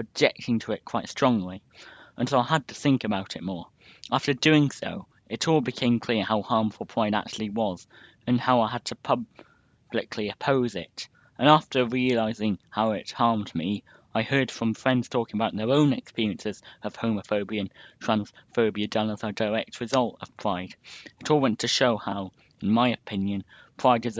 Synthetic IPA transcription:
ɨd͡ʒɛk̚tʰɪ̃ŋtʰəɪt̚kʰw̥aɪtstɹ̥ɔ̃ŋli | ʔə̃nsʰoʊaɪəd̚tʰəθɪ̃ŋkɨbaʊɾɨt̚mɔɹ | ʔæftə˞dʉɪ̃ŋso̰ʊ | ɨɾɔlˠbɨkʰẽɪ̃mkʰl̥ɪəɹhaʊhɑɹɱfl̩ˠpʰɹ̥ãɪɾa̰k̚t͡ʃʉl̩ˠiwʌz̥ | ɨ̃nhaʊaɪəd̚tʰəpʰʌb | b̥lɨkʰliɨpʰoʊzɪ̰t | ʔə̃næftəɹiɨlaɪzɪ̃ŋhaʊɪt̚hɑɹmdmi | aɪhɜ˞d̥fɹʌ̃ɱfɹɛ̃ndz̥tʰɔkɪ̃ŋəbaʊt̪̚ðə˞õʊ̃nɨkspɪɹiɨ̃nsɨz̥ʌv̥hõʊməfoʊbiɨ̃ntʰɹ̥æ̃nsfoʊbiɨdʌləzədəɹɛk̚t̚ʰɹɨzʌlˠtʌ̰v̥pʰɹ̥aɪd̥ɨɾɔlˠwɛ̃ntʰɨʃoʊhaʊ | ɨ̃n̩maɪɨpʰɪ̃njɨ̃n | pʰɹ̥aɪdɨz

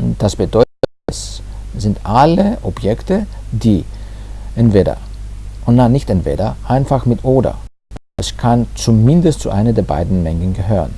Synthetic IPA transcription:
d̥asb̥ədɔʏtətɛsz̥ɪntʔaləʔɔbjɛktədiː | ʔɛntv̥eːdɐ̰ʔʊntnanɪçtʔɛntv̥ḛːdɐʔaɪnfaxmɪtʰʔoːdɐ̰ | ʔɛskʰant͡sumɪndəstt͡suʔaɪnədeːɐba̰ɪdn̩mɛŋənɡəɦøːʁən

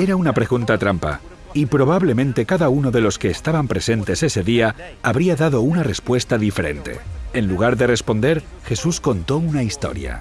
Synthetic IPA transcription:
e̞ɾaunapɾeɣunt̪at̪ɾampa̰ | ipɾo̞β̞aβle̞mẽnt̪e̞kaðauno̞ðe̞lo̞ske̞ːst̪aβampɾe̞se̞nt̪e̞se̞se̞ðiaaβɾiaðaðo̞unare̞spwe̞st̪aðife̞ɾe̞̰nt̪e̞̰enluɣ̞aɾðe̞re̞spo̞nd̪e̞ɾ | xe̞susko̞nt̪o̞unaist̪o̞̰ɾja̰

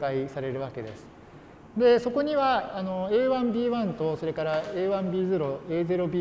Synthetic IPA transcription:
kaisaɾe̞ɾɯ̟βake̞d̪e̞sɨ̥ | d̪e̞so̞ko̞ɲ̟iβaːno̞e̞ːβãmbʲiːβãnt̪o̞so̞ɾe̞kaɾaeːβãmbʲiːzɨɾo̞e̞ːze̞ɾo̞bʲiː

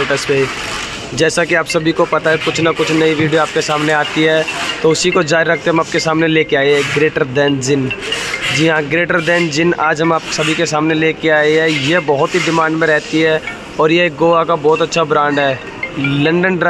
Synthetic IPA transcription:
ʈəspe | d͡ʒɛːsakiaːpsɐbʱikopɐt̪aɦɛkʊt͡ʃʰnakʊt͡ʃʰnɐiʋiːɖijoaːp̚kesaːmneaːt̪iɦɛːt̪oʊsikod͡ʒaːɾiɾɐk̚ʰt̪eɦɐmaːp̚kesaːmneleːkeaːiɦɛɡɾeːʈəɾd̪ɛ̃ːnd͡ʒɪnd͡ʒiɦãɡɾeːʈəɾd̪ɛ̃ːnd͡ʒɪnaːd͡ʒɦɐmaːp̚sɐbʱikesaːmneleːkeaːeɦɛjebɐɦʊt̪ɦiɖɪmãːɳɖmẽɾɛːɦt̪t̪iɦɛː | ɔːɾjeeːk̚ɡoːʋakabɔːt̪ɐtːʃʰabɾãːɳɖɦɛː | lɐ̃ɳɖənɾ

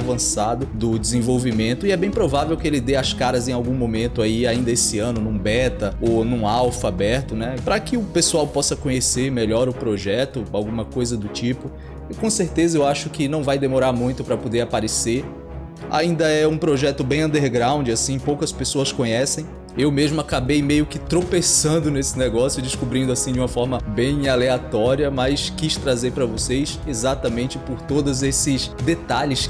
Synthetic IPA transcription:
vɐ̃sad̪ʊd̪ʊd͡ʒɪzẽvowvimẽnt̪ʊɪɛbẽj̃pɾovavewkɪelɪd̪eɐskaɾɐzẽj̃awɡũmõmẽnt̪ʊaiaĩnd̪ɐesɪɐ̃nʊnũbɛt̪ɐonũawfabɛɾt̪ʊnɛpɾɐkɪʊpesuawpɔsɐkõɲeseɾmeʎɔɾʊpɾoʒɛt̪ʊawɡũmɐkojzɐd̪ʊt͡ʃipʊ | ɪkõseɾt̪ezɐewaʃʊkɪnɐ̃w̃vajd̪emoɾaɾmũj̃t̪ʊpɾɐpod̪eɾapaɾeseɾ | a̰ĩnd̪ɐɛũpɾoʒɛt̪ʊbẽj̃ɐ̃nd̪eɾɡɾãw̃d͡ʒɪasĩpowkɐspesoɐskõɲɛsẽj̃ | ewmeʒmʊakabejmejʊkɪt̪ɾopesɐ̃nd̪ʊnesɪnɛɡɔsjʊd͡ʒɪskubɾĩnd̪ʊasĩd͡ʒɪũmɐfɔɾmɐbẽj̃aleat̪ɔɾiɐmɐjskist̪ɾazeɾpɾɐvosejsezat̪ɐmẽnt͡ʃɪpʊɾt̪od̪ʊzesɪsd̪et̪aʎɪs

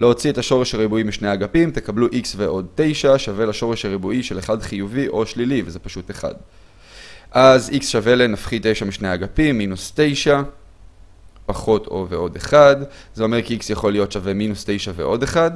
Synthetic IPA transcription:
leo̞t͡sietaʃo̞ʁe̞ʃhaʁibuimiʃnejaɡapimt̪e̞kabluʔiksveʔo̞d̪̚te̞jʃaʃavelaʃo̞ʁe̞ʃhaʁebuiʃe̞leχadχijuviʔo̞ʃlilivezepaʃute̞χa̰d | ʔaziksʃave̞lenafχit̪e̞jʃamiʃnejaɡapimːinust̪ejʃa | paχo̞tʰo̞̰veo̞deχadzeo̞me̞ʁkiiksjaχo̞lijo̞tʃaveminuste̞jʃavḛʔo̞de̞χad

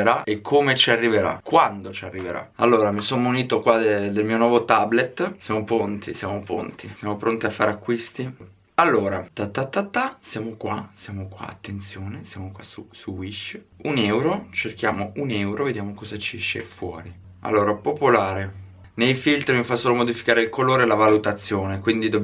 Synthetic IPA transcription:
eɾaekʰːomet͡ʃiarːiveɾa̰kwand̪ot͡ʃiarːiveɾa̰alːoːɾamisonuniːt̪okwad̪d̪elmionwɔvot̪ablet̪ːsjaːmopont̪ʰisjaːmopo̰nt̪isjamopɾont̪iafːaːɾeakːwist̪i | alːoːɾat̪at̪ːat̪ːat̪ːasjaːmokwasjaːmokwa̰a̰t̪ːent̪sjoːnesja̰mokwa̰susuwiʃ | unɛwɾot͡ʃerkja̰ːmounɛwɾʔoved̪jaːmokɔzat͡ʃiɛʃːḛfwɔ̰ːɾi | a̰lːoːɾapopolaːɾe | nejfilt̪ɾmifasoːlomod̪ifi̥kaːɾeilkoloːɾelavalut̪at̪sːjoːnekwind̪id̪ob

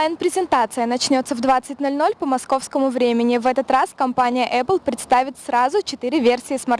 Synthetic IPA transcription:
ɪnpɾʲɪzʲɪnt̪at̪sɨjənɐt͡ɕnʲo̞t̪səvd̪vat̪sɨtʲno̞lʲno̞lʲpəmɐsko̞fskəmʊvɾʲemʲɪnʲɪvɛt̪ət̪raskɐmpanʲɪjəʔɛplˠpɾʲɪt̪st̪avʲɪt̪sɾazʊt͡ɕɪt̪ɨɾʲɪvʲe̞rsʲɪːsmɐr

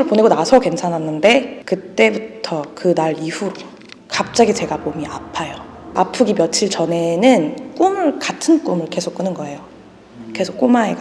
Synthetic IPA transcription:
ɯɭpone̞ɡonasʰʌkwe̞nsʰanɦanːɯnde̞kɯt͈e̞butʰʌkɯnaɾiɸuɾo | kap̚t͡ɕ͈aɡit͡ɕe̞ɡamomiapʰajoapʰɯɡimjʌt͡ɕʰiɭt͡ɕʌne̞nɯnk͈umɯɭkatʰɯnk͈umɯɭke̞sʰok͈ɯnɯnɡʌe̞jo | ke̞sʰok͈umaeɡa

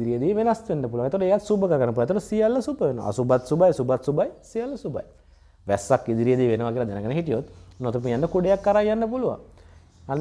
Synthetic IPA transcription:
iɾijəd̪iːʋenast̪ʋenːəpuluʋaŋet̪ooʈejat̪subəkəɾəɡanːəpulat̪ːoɾəsijalːəsubəʋenəʋa̰subat̪subajsubat̪subajsijalːəsuba̰j | ʋɛsːakːid̪iɾijəd̪iːʋenəʋakiːlad̪ɛnəkənəɦiʈ̪ijot̪not̪əp̬ujanːəkuɖejakːaɾajjanːəp̬uluʋa̰ŋ | an

